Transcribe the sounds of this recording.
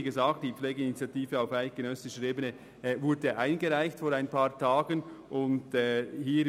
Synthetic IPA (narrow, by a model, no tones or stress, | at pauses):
ɡəzaːk̚td̥iːpfleːɡəinit͡sjatiːvəaʊfaɪt̚ɡ̥eənœsɪʃəɾeːbənə | vʊɾdəʔaɪnɡəʁaɪçtfoːɾaɪnpʰaːɾtʰaːɡənʔʊntɛːhiː